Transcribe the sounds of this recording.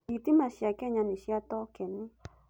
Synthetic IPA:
it̪imaʃiakɛɲaniʃiat̪ɔkɛnɪ

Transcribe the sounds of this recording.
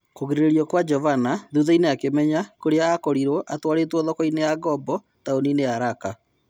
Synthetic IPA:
koɣeɾeɾeɾiɔkwad͡ʒɔvanaðuðaineakemɛɲakoɾeaːkɔɾiɾɔʔatwaɾetwɔðɔkɔineaɣɔbɔ | taonineaɾaka

